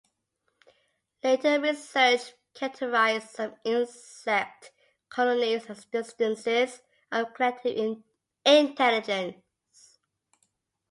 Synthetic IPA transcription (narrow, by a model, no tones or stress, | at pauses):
leɪtəɹisɜˑ˞t͡ʃ | kʰɛtʰəɹaɪzsə̃mɪ̃nsɛk̚t | kʰɔlənisəsbɪstə̃nsɪz | əkʰɹ̥ɛtʰɪvɪ̃ | ɪ̃ntʰɛlɪd͡ʒə̃n | s